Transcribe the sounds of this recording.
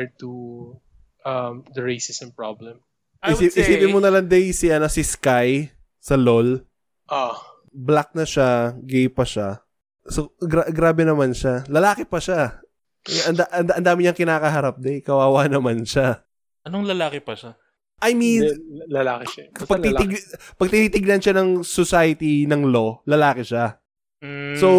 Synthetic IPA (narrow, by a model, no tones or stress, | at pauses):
t̪u | ʔɐmd̪ɐɹesɪsɛnpɹablɛm | ʔɪsiɪsiːpɪnmonɐlaŋd̪ɛjsiʔɐnosɪskaj | sɐlol | ʔa | blak̚nɐʃaɡejpɐʃa | soɡɾaɡɾaːbɛnɐmanʃalɐlaːkɛpɐʃa | ɐnd̪aʔɐnd̪aʔɐnd̪aːmɪɲɐŋkɪnaːkɐɦɐɾap̚d̪ɛjkɐwaːwanɐmanʃa | ʔɐnoŋlɐlaːkɪpɐʃa | ʔɐjminlɐlaːkpɐɡ̪iɪɡpɐɡ̚t̪ɪniːt̪ɪɡ̚nɐnʃanɐŋsosajɐt̪inɐŋlo̞lɐlaːkɪʃa | so